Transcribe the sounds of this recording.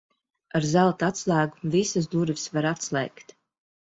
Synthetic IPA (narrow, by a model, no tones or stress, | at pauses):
aɾzalˠt̪at̪slˠæːɡumvisɨsd̪uɾvʲisvaɾat̪slˠɛ̰ːkt̪